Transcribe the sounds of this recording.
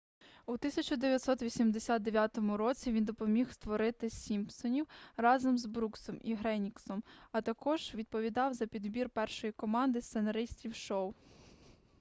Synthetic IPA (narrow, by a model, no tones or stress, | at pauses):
ut̪ɪsʲɐt͡ʃɔd̪eʋʲjɐt̪sɔt̪ʋʲisʲimd̪esʲad̪̚d̪eʋʲjat̪ɔmʊɾɔt͡sʲiʋʲind̪ɔpɔmʲixst̪ʋɔɾɪt̪ɪsʲimpsɔnʲiwrɑzɔmzbɾuksɔmiɦɾɛnʲiksɔmɐt̪ɐkɔʒ̥ʋʲid̪̚pɔʋʲid̪ɑwzɐpʲid̪bʲirpɛrʃɔjikɔmɑnd̪ɪst̪senɐɾɪsʲt̪ʲiwʃɔw